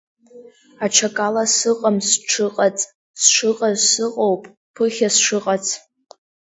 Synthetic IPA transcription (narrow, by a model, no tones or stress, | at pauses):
aʈ͡ʂʰakʼalasɨqʼamsʈ͡ʂʰɨqʼat͡sʼ | sʂɨqʼazsɨqʼowpʼ | pʰɨχʲasʂɨqʼat͡sʰʼ